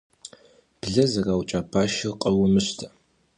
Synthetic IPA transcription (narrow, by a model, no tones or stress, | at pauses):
b̥ɮɐzɐraːwt͡ʃʼabaːʃɪrqʼɐwʊmɨɕtʰɐ